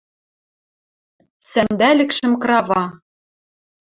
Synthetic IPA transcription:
sænd̪ælʲɘ̆kʃɘ̆mkrɑvɑ

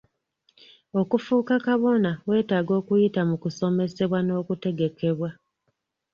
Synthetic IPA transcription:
o̞kufuːkakaβo̞nawe̞ːtaːɡo̞ːkujitamukuso̞me̞se̞βwano̞ːkute̞ɡe̞ke̞βwa

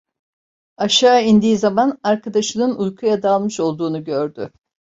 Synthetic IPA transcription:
aʃaːind̪iːizamanaɾkʰad̪aʃɯnɯnujkʰujad̪alˠmɯʃo̞lˠd̪uːnuɟøɾd̪ʏ

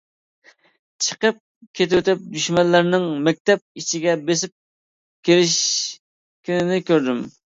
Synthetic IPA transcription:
t͡ʃʰə̥qəp̚ | kʲʰet̪ɪwøt̪ɪp̚d̪yʃmɛlːæɾnɪŋmɛk̚ʲt̪ɛp̚it͡ʃʰiɡʲɛbesɪp̚ | kʲʰeɾɪʃ | kʲʰɪnɪnɪkʲʰøɾd̪ym

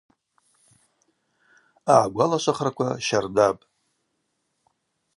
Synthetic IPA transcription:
aʕɡʷalaʃʷaχrakʷʰaʃardapʼ

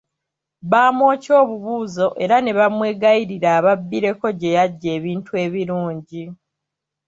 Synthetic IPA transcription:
βaːmo̞ːco̞ːβuβuːzo̞ʔe̞ɾane̞βamwe̞ːɡajiɾiɾaːβabːiɾe̞ko̞ɟe̞jaɟːe̞ːβiːntʰue̞ːβiɾuːɲɟi

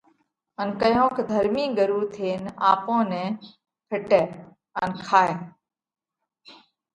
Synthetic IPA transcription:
ənkəjõːkʰːd̪ʱəɾmĩːɡəɾuːt̪ʰeːnaːpõːnɛ̃ː | pʰɪʈɛː | ənkʰaːɦeː

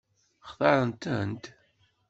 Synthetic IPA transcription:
χðˤɑɾˤənt̪ənt̪

